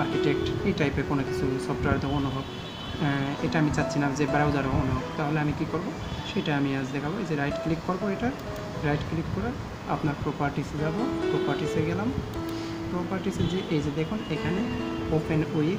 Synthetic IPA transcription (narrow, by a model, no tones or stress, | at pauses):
aɾkiʈek̚ʈejʈajpekonokit͡ɕʰusɔbʈaɾd̪ʱɔonoɦɔb | eʈaamit͡ɕatːɕʰinamd͡ʑebɾawd̪aɾoonoɦɔbt̪aɦoleamikikoɾbo | ʃejʈaamiad͡ʑd̪ɛkʰaboed͡ʑeɾajʈklikːoɾboeʈa | ɾajʈklikːɔɾa | a̰pnaɾpɾopaɾʈised͡ʑabopɾopaɾʈiseɡɛlam | pɾopaɾʈised͡ʑeʔejd͡ʑed̪ekʰunekʰaneopenoj